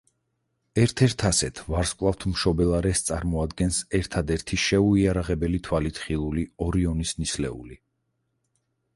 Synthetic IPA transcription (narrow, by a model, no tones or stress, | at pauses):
ɛɾt̪ʰɛɾt̪ʰasɛt̪ʰvaɾskʼlˠaft̪ʰmʃɔbɛlˠaɾɛst̪sʼaɾmɔad̪ɡɛnsɛɾt̪ʰad̪ɛɾt̪ʰiʃɛuiaɾaʁɛbɛlit̪ʰwalit̪ʰχilˠuliɔɾiɔnisnislɛ̰ṵli